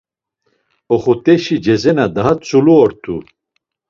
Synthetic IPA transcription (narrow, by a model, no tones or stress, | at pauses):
ɔχut̪ʼɛʃid͡ʒɛzɛnad̪aɦat͡sʼuluɔɾt̪ʰu